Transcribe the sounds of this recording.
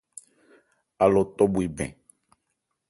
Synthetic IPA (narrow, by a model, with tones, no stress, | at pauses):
a˨lɔ˨t̪ɔ˦bu˨e˨bɛ̰̃˨